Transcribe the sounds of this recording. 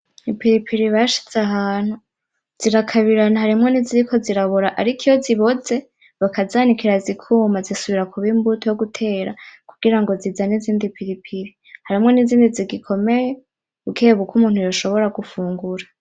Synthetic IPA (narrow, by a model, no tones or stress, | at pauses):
ipiɾipʰiɾiβaʃi̥t͡seaɦaːn̥hu | z̥iɾakʰaβiɾanahaɾimŋo̞niziɾikʰo̞ziɾaβoɾaʔaɾikʰijoziβo̞ze̞ | βakʰazaːnikʰiɾazikʰuːmazisuβiɾakʰuβimbutojoɡutʰe̞ːɾa̰kuɡ̥iɾaŋɡo̞zizaniziːndipʰiɾipʰiɾi | haɾimŋo̞niziːndiziɡikʰo̞me̞je | ukʰeːβukumuːn̥hujoʃo̞βo̞ɾaɡufuːŋɡuɾa